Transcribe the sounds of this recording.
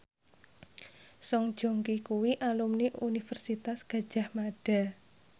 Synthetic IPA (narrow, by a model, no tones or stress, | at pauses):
sɔŋd̥ʒ̥o̤ŋkikuwiʔalumniʔunifərsit̪asɡ̥a̤d̥ʒ̥a̤hmaɖ̥a̤